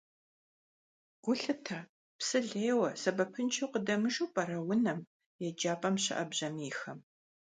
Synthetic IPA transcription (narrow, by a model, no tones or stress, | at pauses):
ɡ̥ʷʊɬɨtʰɐ | psɨɮeːwɐsɐbɐpʰɨnt͡ʃʰɐwqədɐmɨʒuwpʼɐɾɐwʊnɐm | jɛd͡ʒaːpʼɐmɕɪ̰ʔɐbʑɐmiːxɐm